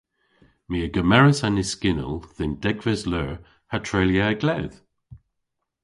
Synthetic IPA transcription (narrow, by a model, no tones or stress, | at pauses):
miːəɡəmɛɹəsanɪskɪnə̰lˠðɪnd̥ɛɡvɛslɛɹ | hatʰɹeljaəɡlɛð̥